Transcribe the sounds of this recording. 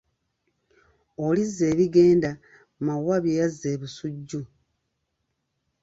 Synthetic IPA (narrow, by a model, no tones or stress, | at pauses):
olizːe̞ːβiɡe̞ːnda | mawaβjejazːe̞ːβusuɟːu